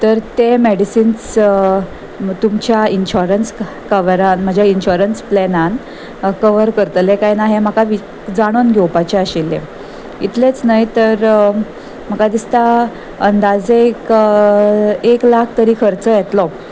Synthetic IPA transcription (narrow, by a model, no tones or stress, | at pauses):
t̪əɾt̪emeɽisiːns | t̪umt͡ɕjainɕuɾəns | kəʋəɾanm̤əd͡ʑʱjainɕuɾənsplɛnan | kəʋəɾkəɾt̪lekajnaɦeməkaʋi | d͡zaɽ̃onɡʱɛwpat͡ɕeaɕilːẽ | it̪ʰlet͡snajt̪əɾ | m̤əkad̪ist̪a | ənd̪ad͡zek | eklakʰt̪əɾiːkʰəɾt͡səjɛt̪lɔ